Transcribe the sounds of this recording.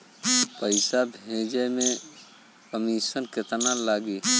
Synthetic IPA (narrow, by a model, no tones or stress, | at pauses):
pəɪsabʱed͡ʒəjme | kəmisənket̪nalaɡi